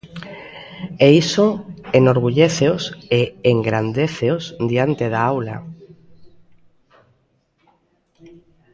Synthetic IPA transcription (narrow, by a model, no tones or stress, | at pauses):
eisoenoɾɣ̞uʎeθeoseːŋɡɾand̪eθeosd̪iant̪eðaawla̰